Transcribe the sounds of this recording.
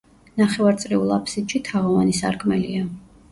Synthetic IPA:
naχɛvaɾt̪sʼɾiulˠa̰pʰsid̪ʃit̪ʰaʁɔvanisa̰ɾkʰmɛlia

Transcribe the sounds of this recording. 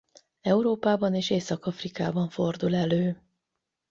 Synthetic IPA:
ɛuɾoːpaːbɒneːʃeːsɒkɒfrikaːbɒɱfo̞rd̪ulɛløː

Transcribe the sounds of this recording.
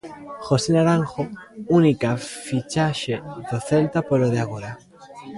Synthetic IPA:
xosenaɾaŋxounikafit͡ʃaʃed̪oθelt̪apoloð̞eaɣ̞oɾa

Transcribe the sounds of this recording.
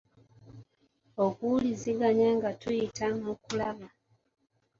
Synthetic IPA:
okuliziɡaɲaŋɡatujitamukulaβa

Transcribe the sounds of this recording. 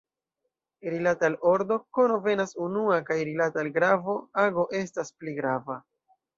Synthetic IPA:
ɾilataloɾdo̞ko̞no̞ve̞nasunuakajɾilatalɡɾavo̞aɡo̞ʔe̞s̬taspliɡɾava

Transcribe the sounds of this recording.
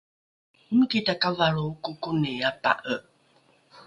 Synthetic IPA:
imiketakavaɾoukukuneapa̰ʔəʔ

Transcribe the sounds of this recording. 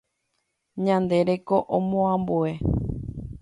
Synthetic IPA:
ɲãnd̪e̞ɾe̞ko̞ʔõmõãmboe

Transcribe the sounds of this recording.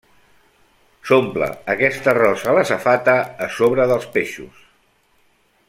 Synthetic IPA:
somplə̰əkɛst̪ərɔzələsəfat̪əːsoβ̞ɾəðəlˠspeʃṵs

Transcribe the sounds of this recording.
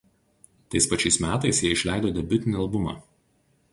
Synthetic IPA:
t̪ɐɪspɐt͡ʃʲɛɪsmʲæːt̪ɐɪsjiɛɪʃʲlʲæˑɪd̪oːd̪ʲɛbʲʊt̪ʲɪnʲɐlˠbʊmɑ̰

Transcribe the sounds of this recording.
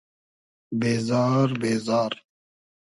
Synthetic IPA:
beːzɑːɾbeːzɑːɾ

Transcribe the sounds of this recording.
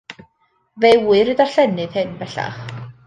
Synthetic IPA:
vejwwɨɾɨðar̥ɬɛnɨðhɨnbɛɬa̰χ

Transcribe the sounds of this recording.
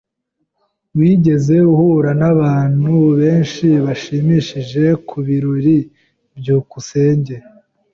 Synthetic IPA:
wiːɟe̞ze̞uhuɾanaβaːn̥huβe̞ːnʃiβaʃiːmiʃiʒe̞kʰuβiɾuɾi | bjuːkuse̞ːɲɟe̞

